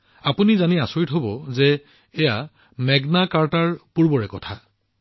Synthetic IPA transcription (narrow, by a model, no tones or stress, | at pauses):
apunizaniasoɹitɦobɔzɛː | ja | mɛɡnakaɹtaɹpuɹbɔɹɛkɔtʰa